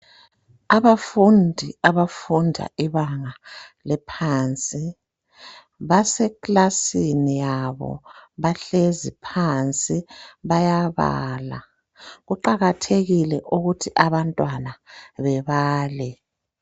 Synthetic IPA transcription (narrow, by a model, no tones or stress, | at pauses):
aβafundʱiaβafundʱa̰ʔiβaŋalɛpʰaːnt͡sʼi | βasɛkʼlasinijaβɔ̰βaɬezipʰant͡sʼiβajaβa̰ːla̰ | ɣuǃaɣatʰeɣilɛʔuɣutʰiʔaβantʼwanaβɛβaːlɛ